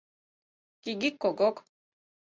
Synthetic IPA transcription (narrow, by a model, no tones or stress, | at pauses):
kiɡikːoɡok